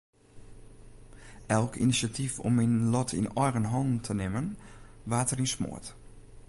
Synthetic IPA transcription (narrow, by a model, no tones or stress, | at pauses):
ʔɛlˠkʰḭnisatʰifɔ̰mːinlɔtʰḭnɔjrənɦɔndn̩tʰənɪmənʋaːtərinsmʊ̰ət